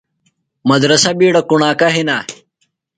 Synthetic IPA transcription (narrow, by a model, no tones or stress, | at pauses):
mɐd̪ɾɐsɐbiːɽɐkuɳaːkaɦina